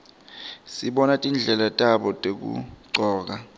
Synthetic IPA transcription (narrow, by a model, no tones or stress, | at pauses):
siɓɔnatʼind͡ɮʱɛlatʼaɓɔtʼek̬ṵǀɔːk̬a